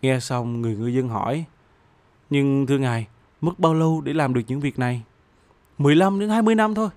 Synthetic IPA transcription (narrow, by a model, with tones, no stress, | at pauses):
ŋɛ˧sa˧wŋ͡mŋɨ˨˩əjŋɨ˨˩əjzə˧nɦɔ̰˧˩˨j | ɲɨ˧ŋt̪ʰɨ˧əŋaː˨˩j | mɨ˦˥k̚ɓaː˧wlə˧wɗe˧˩laː˨˩mɗɨ˨˩ək̚ɲɨ̰˧˥ŋvi˨˩ək̚na˨˩j | mɨ˨˩əjla˧mɗɨ˧˦ŋhaː˧jmɨ˧əjna˧mt̪ʰo˧j